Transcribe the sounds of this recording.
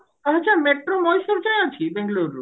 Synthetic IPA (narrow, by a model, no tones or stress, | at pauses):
ɐt͡ɕʰameʈɾomɔjʃuɾd͡ʑajat͡ɕʰibeŋɡloɾːṵ